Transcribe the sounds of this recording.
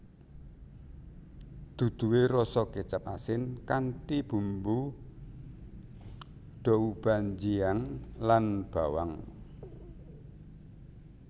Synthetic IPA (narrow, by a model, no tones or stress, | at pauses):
d̪̥ṳd̪̥ṳweɾɔsɔket͡ʃəpasɪnkanʈib̥ṳmbu | ɖ̥ɔ̤ub̥a̤ɲd͡ʒiaŋlanb̥a̤waŋ